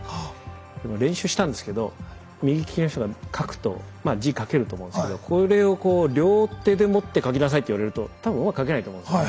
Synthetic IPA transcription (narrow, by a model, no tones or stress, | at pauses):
d̪emoɾẽ̞ɰ̃ɕɨːɕi̥t̪ãnd̪e̞sɨ̥ke̞d̪o̞ | mʲiɡʲikʲi̥kʲinoç̬t̪oɡakʰakɯ̟̥t̪o̞̰ | maːd͡ʑikake̞ɾɯ̟t̪oːmõsɨked̪o̞kʰo̞ɾe̞o̞ko̞ːɾʲo̞ːt̪e̞d̪e̞mo̞t̪ːe̞kakʲinas̬ait̪ːeiβaɾe̞ɾɯ̟t̪o̞t̪abɯ̟̃ɯmakkak̬e̞nait̪omõs